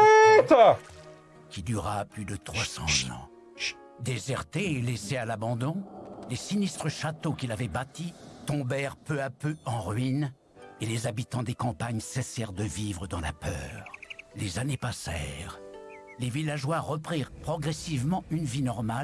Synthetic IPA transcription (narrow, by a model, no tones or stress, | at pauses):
t̪ | kʲid̪yʁaplyd̪ət̪χwasɑ̰̃zɑ̰̃ | d̪ezɛʁt̪eːlesealabɑ̃d̪ɔ̃lesinist̪χəʃat̪okʲilavɛbat̪it̪ɔ̃bɛʁpøapøɑ̃ʁɥin | elezabit̪ɑ̃d̪ekɑ̃paɲsɛsɛʁd̪əvivʁəd̪ɑ̃la̰pœ̰ːʁlezanepasɛ̰ʁlevilaʒwaʁːəpχiʁpχɔɡʁɛsivmɑ̃ynvinɔʁmal